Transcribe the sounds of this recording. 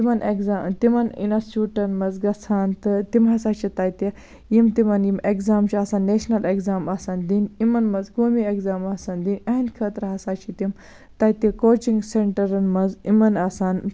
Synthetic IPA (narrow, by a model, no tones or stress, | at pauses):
imɐneɡzat̪imɐnḭnɐsuːʈɐnmɐzɡɐsaːnt̪ɨt̪imɦɐsaːt͡ʃʰit̪ɐjt̪i | jimt̪imɐnjimekzaːmt͡ʃʰiɐːsaːnːeːʃnɐleɡzaːmɐsaːnd̪inimɐnmɐzɡoːmieɡzaːmɐsaːnd̪inʲɐːnkʰɐːt̪ɾɐɦɐsaːt͡ʃʰit̪im | t̪ɐt̪ikoːt͡ʃiŋɡseɳʈɐɾɐnmɐzimɐnɐsaːn